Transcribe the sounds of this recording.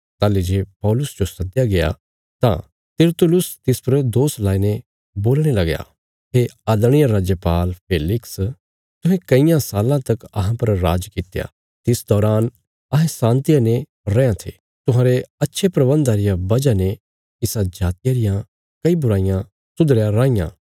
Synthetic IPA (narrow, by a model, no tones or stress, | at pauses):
t̪aːlːed͡ʒeːpɔːlʊsd͡ʒosɐd̪jaɡeja̰ | t̪ã̰ | t̪ɪɾt̪ʊlʊst̪ɪspɐɾd̪oːslaːine | boːlɽ̃elɐɡja̰ | ɦeɐd̪ɽ̃ɪjaɾaːd͡ʒjəpaːlpʰeːlɪks | t̪ʊ̃ɦɛ̃kɐɪjãsaːlãt̪ɐkɐɦãpɐɾɾa̰ːd͡ʒkɪt̪ja̰ | t̪ɪsd̪ɔːɾaːn | ɐɦɛ̃sãːnt̪ijane | ɾɛjãt̪ʰḛ | t̪ʊɦãːɾeɐtːʃʰepɾɐbə̃nd̪aɾɪjabɐd͡ʒane | ɪsãd͡ʒaːt̪ɪjaɾɪjã | kɐibʊɾaːɪjã | sʊd̪ɾjãɾãːɪjã̰